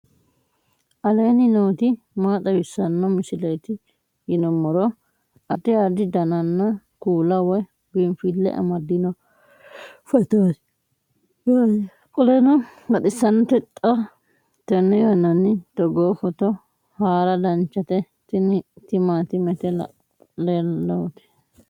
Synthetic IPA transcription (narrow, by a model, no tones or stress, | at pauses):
ʔɐleːnɪnoːt̪ɪ | maːt̪ʼɐwɪsːɐnːɔmɪsɪlɐjt̪ɪ | jɪnɔmɔɾɔ | ʔɐt̪ɪad̪ɪd̪ɐnɐnːɔ | kuːlɐwɔj | ɡɪmfɪlːɛ̰ʔɐ̰mɐd̪ɪnɔ | fɛt̪oːt̪ | kʼɔlɛnɔlɐt̪ɪsːɐnːt̪ɛt̪ʼːɐ | t̪ɛnːɛjonɐnɪt̪ɔɡoːfɔt̪ɔ | haːɾɐd̪ɐnt͡ʃːɐt̪ɛ | t̪nt̪ɪmaːt̪ɪmɛt̪ɛ̰ | lelɔt̪ɛ̥